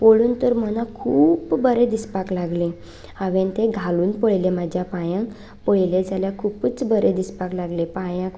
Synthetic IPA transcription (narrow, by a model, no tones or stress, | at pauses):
poɭuːnt̪əɾmənakʰuːpbəɾed̪ispaklaɡlẽ | aʋẽnt̪eɡʱaluːnpəɭlemad͡ʑʱjapajãŋk | pɔɭled͡zaljakʰuːpət͡sbəɾed̪ispaklaɡlepajãk